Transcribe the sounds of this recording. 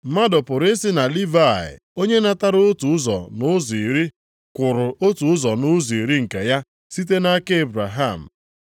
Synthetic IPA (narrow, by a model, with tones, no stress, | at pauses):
m̩˦ma˦dɔ˨pʊ˨ɾe˦si˦na˨li˦va˦˨ɪ̰˨ | o˦ɲe˦na˦ta˦ɾʊ˦tu˨ʊ˦zɔ̰˨nʊ˦zi˨ɾi˦ | kʷʊ˨ɾʊ˨o˦tu˨ʊ˦zɔ˨nʊ˦zi˨i˨ɾi˦ŋ̩˨ka˨ja˦ | si˦t̬e˦na˦ke˦e˦˨bɾa˨ɦa˦˨m̩˨